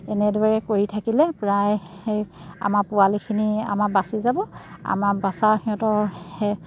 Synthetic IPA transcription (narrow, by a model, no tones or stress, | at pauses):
ɛnɛdwaɹɛkoɹitʰakilɛpɹajeja̰maɹpʊalikʰinia̰mabasizabɔa̰mabasaɹxiɔ̃tɔɹɛ